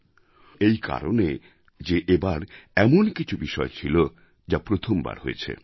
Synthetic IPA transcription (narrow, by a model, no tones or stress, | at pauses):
ejka̰ɾone | d͡ʑeʔebaɾɛmonkit͡ɕʰubiʃɔet͡ɕʰilo | d͡ʑapɾot̪ʰomba̰ɾɦoet͡ɕʰḛ